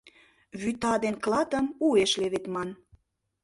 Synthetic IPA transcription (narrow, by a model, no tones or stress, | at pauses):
βyt̪ɑd̪enklɑt̪ə̆mueʃleβet̪mɑn